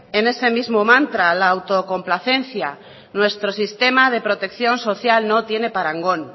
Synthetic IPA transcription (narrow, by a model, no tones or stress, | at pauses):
e̞ne̞se̞mizmomãnt̪ɾalaːwt̪o̞ko̞mplaθe̞n̟θja | nwe̞st̪ɾo̞sist̪e̞mað̞e̞pɾot̪e̞kθjo̞nso̞θjalno̞t̪je̞ne̞paɾaŋɡo̞n